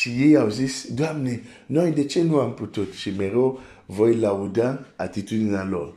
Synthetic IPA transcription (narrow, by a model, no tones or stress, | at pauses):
t͡ʃijeawzisduamne | nɔ̃idet͡ʃenũamputott͡ʃimeɾo | vɔilaudãa̰tituninãlɔ̰l